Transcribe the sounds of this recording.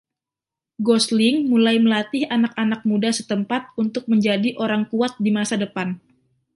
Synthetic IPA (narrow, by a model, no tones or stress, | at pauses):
ɡɔslɪŋmulajməlat̪ɪhanakanak̚mudasət̪əmpat̪̚unt̪ʊk̚məɲd͡ʒadiʔoɾaŋkuat̪̚dimasadəpan